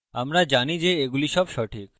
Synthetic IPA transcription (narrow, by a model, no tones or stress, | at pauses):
amɾad͡ʑanid͡ʑeeɡuliʃɔbʃɔʈʰik̚